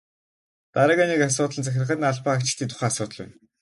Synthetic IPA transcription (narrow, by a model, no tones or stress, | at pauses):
t̪aɾaːɣaːnekas̬ʊːt̪əɮnt͡sʰæxʲɪ̆rə̆χə̆t̪naɮpaːakt͡ɕɪ̆ɬt̪iːt̪ʰʊ̥χæːasʊːt̪ə̆ɮæ̰n